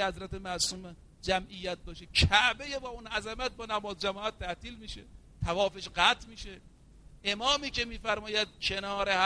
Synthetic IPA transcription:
hæzɾæt̪emæsum | d͡ʒæmʔijːæt̪̚bɒːʃekʰæʔbejebɒːunʔæzæmæt̪̚bɒːnæmɒːzd͡ʒæmɒːæt̪̚ʰːæht̪iːlmiːʃḛ | t̪ʰævɒːfeʃɢæt̪ʰmiːʃe | ʔemɒːmiːkemiːfæɾmɒːjæd̪̚kʰe̞nɒːɾeh

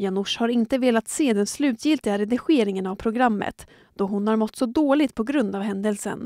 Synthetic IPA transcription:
janʊʂhaɾɪnt̪əveːlat̪seːd̪ɛnslʉ̟ːt̪ʰjɪlt̪ɪɡaɾɛd̪ɪɧeːɾɪŋənavpʰɾʊɡɾamːə̰t̪ | d̪̥ɔɦʊnhaɾmɔt̪ːsɔd̪oːlɪɡ̚t̪̚pʰɔɡɾɵnd̪avɦɛnd̪əlsə̰n

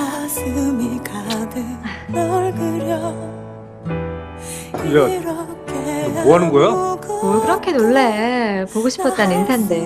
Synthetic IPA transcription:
asɯmikadɯoɭɡɯɾjʌ | kɯlʌɾʌkemoɦanɯŋɡojoʌkɯɾʌkʰe̞noɭːe̞poɡoɕʰi̥pʰʌt̚t͈anensʰande̞

